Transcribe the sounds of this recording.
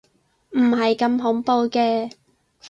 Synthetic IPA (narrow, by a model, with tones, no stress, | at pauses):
m̩˨˩hɐ˨jkɐ˧mɦʊ˨˥ŋpo˧wkɛː˧